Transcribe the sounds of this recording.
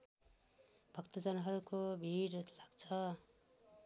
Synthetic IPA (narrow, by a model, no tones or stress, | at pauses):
bʱʌkt̪ʌd͡zʌnɦʌɾukobʱiɾlaɡt͡sʰʌ